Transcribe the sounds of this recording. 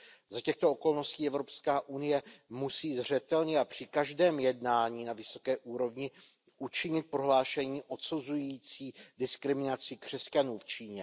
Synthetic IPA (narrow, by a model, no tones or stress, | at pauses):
zacɛxt̪ooko̞lno̞sciːɛvɾo̞pskaːʔunɪjɛmusiːzr̝ɛt̪ɛlɲɛapr̝̥ɪkaʒdɛːmjɛdnaːɲiːnavɪso̞̥kɛːʔuːɾo̞vɲɪ | ʔut͡ʃɪɲɪt̪̚pɾo̞ɦlaːʃɛɲiːʔo̞t̪suzujiːt͡siːdɪskɾɪmɪnat͡sɪkr̝̥ɛscanuːft͡ʃiːɲɛ